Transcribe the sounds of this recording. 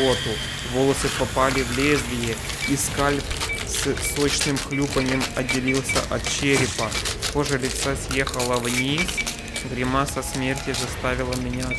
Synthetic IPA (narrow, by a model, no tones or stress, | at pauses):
ot̪ʊ | volˠəsɨpɐpalʲɪvlʲezʲlʲɪjɪ | iskalʲpssot͡ɕnɨmxlʲupənʲɪjəmɐdʲːɪlʲilˠsʲə̰ʔɐt̪̚t͡ɕeɾʲɪpətoʐɨlʲɪt̪sasʲjexəlˠəvnʲis | ɡɾʲɪmasɐsmʲertʲɪzɐst̪avʲɪlˠəmʲɪnʲa